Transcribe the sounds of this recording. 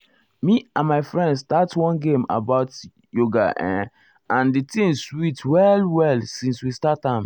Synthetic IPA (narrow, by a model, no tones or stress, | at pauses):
miãnmaɪfɹɛ̃ndstatwɔ̃nɡẽma̰baʊt | joɡa̰ʔɛ̰̃ | ãnditĩŋswitwɛlwɛlsĩnswistatãm